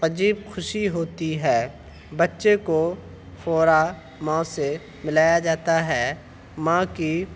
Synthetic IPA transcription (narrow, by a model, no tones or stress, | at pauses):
qəd͡ʒiːbxʰʊʃiɦoːt̪iɦɛː | bɐtːʃeko | fɔːɾa | mãːse | mɪlaːjad͡ʒaːt̪aɦɛː | mãːki